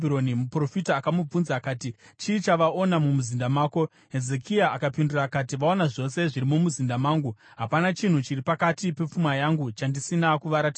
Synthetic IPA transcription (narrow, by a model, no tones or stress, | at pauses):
biɾo̞nimupro̞fitaːkamub͡vunzaːkaːtit͡ʃiːt͡ʃaʋaʔo̞namumuzindamaːko̞ | ɦe̞ze̞kʰiaʔakapindurakat̬iʋao̞naʐo̞se̞ʐiɾimumuzindamaːŋɡu | ɦapanat͡ʃin̤ut͡ʃiripakatipe̞p͡fumajaŋɡut͡ʃandisinakuʋaɾatiːa